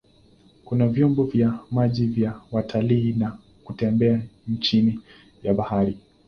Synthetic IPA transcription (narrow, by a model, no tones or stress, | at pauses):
kunavjɔmbɔvjamaʄivjawatʰaliːna | kutɛmbɛant͡ʃini | jaɓahaɾi